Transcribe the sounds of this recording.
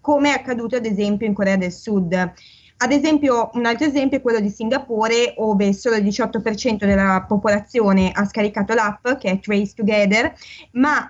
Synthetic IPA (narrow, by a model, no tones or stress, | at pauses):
komeɛakːad̪uːt̪oad̪ezɛmpjoiŋkoɾɛːad̪elsud̪ | ad̪ezɛmpjounalt̪ɾoezɛmpjoɛkwelːod̪isiŋɡapoːɾeoːvesoːloild̪it͡ʃɔt̪ːopert͡ʃɛnt̪od̪elːapopolat̪sːjoːneʔaskaɾikaːt̪olapːk̟eɛt̪ɾejst̪uɡɛd̪erma